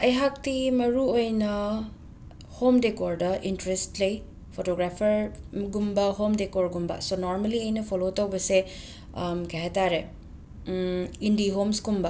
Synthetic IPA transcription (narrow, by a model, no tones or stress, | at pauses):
ɐjɦak̚timɐɾuojnɐ | homdekoɾdɐʔintɾestlɐj | pʰotoɡɾapʰɐɾɡumbɐɦomdekoɾɡumbɐ̰sonoɾmɐliɐjnɐpʰolotɐwbɐse | mkʰeɦataɾe | indiɦomsɡumbɐ